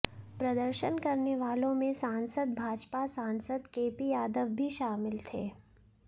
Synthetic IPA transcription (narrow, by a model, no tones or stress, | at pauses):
pɾɐd̪əɾʃənkɐɾneʋaːlõmẽsãːnsəd̪̚bʱaːd͡ʒpasãːnsəd̪keːpijaːd̪əʋbʱiʃaːmɪlt̪ʰeː